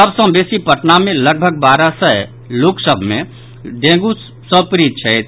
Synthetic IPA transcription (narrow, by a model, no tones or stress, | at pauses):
əbsə̃besipəʈnamẽləɡ̚bʱəɡ̚baːɾasə | loksəbʱmẽ | ɖẽːɡu | sə̃pɾit̪̚t͡ʃʰɛet̪ʰ